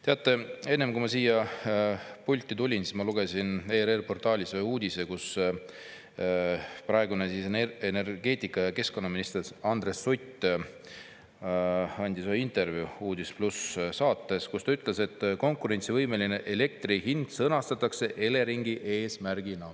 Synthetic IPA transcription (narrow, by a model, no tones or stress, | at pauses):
t̪e̞ɑt̪ːˑe̞e̞nːemkumɑsiːjɑ | pulʲt̪ʲːˑit̪ulʲinsismɑluɡ̥e̞sineːɾerpo̞rt̪ˑɑːlʲisejuːd̪̥ʲise̞kus | prɑeɡunesisenerɡ̥e̞ːt̪ʲˑikːˑɑjɑke̞sko̞nːɑminist̪eɾsɑnd̪̥resːujt̪ːˑ | ɑnʲd̪isojint̪e̞rvjuuːd̪̥isplussɑːt̪ˑːe̞skust̪ɑyt̪ˑle̞se̞t̪ːko̞ŋkˑuɾe̞nʲt̪sivɤjme̞line̞ʔele̞k̚t̪rihind̪̥sɤnɑst̪ɑt̪ːˑɑkse̞ʔe̞le̞ɾiŋɡiʔe̞ːsmærɡ̥inɑ